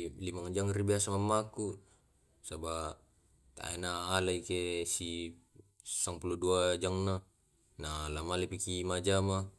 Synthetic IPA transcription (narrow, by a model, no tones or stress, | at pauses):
limaŋd͡ʒaŋribiasamamːaku | saba | t̪a̰ḛnaːlaikesi | saŋpuluduad͡ʒaŋna | nalamalipikimad͡ʒama